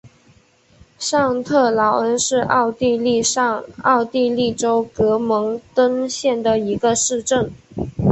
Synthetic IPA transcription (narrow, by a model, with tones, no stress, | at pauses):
ʂɑ˥˧ŋt̪ʰɤ˥˩lɑ˧˥ʊə˧˥nʂɻ̩˥˧ʔɑ̰˥˧ʊt̪i˥˧li˥˧ʂɑ˥˧ŋɑ˥˧ʊt̪i˥˧li˥˩ʈ͡ʂo˥ʊkɤ˧˥mɤ˧˥ŋt̪ə˥ŋɕjɛ˥˩nd̪ə˩i˧˥ɡə˧ʂɻ̩˥˧ʈ͡ʂə˥˩ŋ